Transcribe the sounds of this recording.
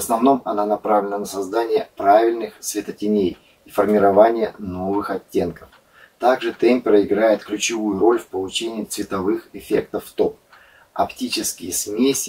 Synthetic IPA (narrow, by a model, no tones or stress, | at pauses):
vəsnɐvno̞mɐnanɐpɾavlʲɪnənəsɐzd̪anʲɪjəpɾavʲɪlʲnɨxsvʲɪt̪ətʲɪnʲej | ifərmʲɪɾɐvanʲɪjəno̞vɨxɐtʲːe̞nkəf | t̪aɡʐɨt̪ɛmʲpʲɪɾəɪɡɾajɪt̪klʲʉt͡ɕɪvujʊɾo̞lʲfpəlˠʊt͡ɕenʲɪɪt̪svʲɪt̪ɐvɨxɪfʲe̞k̚t̪əfːt̪o̞p̚ | ɐ̰ptʲit͡ɕɪskʲɪjəsmʲesʲɪ